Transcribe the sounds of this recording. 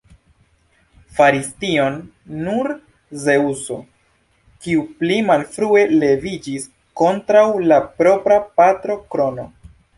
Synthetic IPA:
faɾistio̞nː | uɾ | zeuso̞ | kiuplimalfɾue̞le̞vid͡ʒis | ko̞ntɾawlapɾo̞pɾapatɾo̞kɾo̞no̞

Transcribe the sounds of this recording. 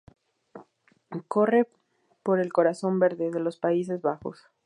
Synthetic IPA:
ko̞re | po̞ɾe̞lko̞ɾaso̞mbe̞ɾðe̞ðe̞lo̞spais̬e̞zβaxo̞̰s

